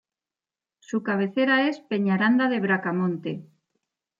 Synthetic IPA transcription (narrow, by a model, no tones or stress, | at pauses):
sukaβ̞eθeɾaespeɲaɾand̪aðe̞βɾakamõnt̪e